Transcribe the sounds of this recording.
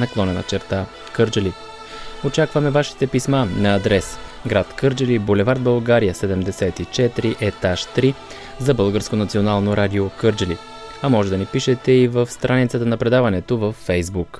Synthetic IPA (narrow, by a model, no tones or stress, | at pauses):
nɐklˠɔnɛnɐ̰t͡ʃɛɾt̪a | kɤɾd͡ʒəli | ot͡ʃakvɐmɛvaʃi̥t̪ɛpismanɐːd̪ɾɛsɡɾat̪kɤɾd͡ʒəlibolɛvaɾd̪̚bəlˠɡaɾijəsɛd̪ɛmd̪ɛsɛt̪it͡ʃɛt̪ɾiʔɛt̪aʃt̪ɾi | zɐbɤlˠɡəɾskonɐt̪sionalˠnoɾad̪iokɤɾd͡ʒəlḭ | ɐmɔʒɛd̪ɐnipiʃɛt̪ɛivəfst̪ɾʔanit̪sət̪ənɐpɾɛd̪avɐnɛt̪ovəfːɛjzbuk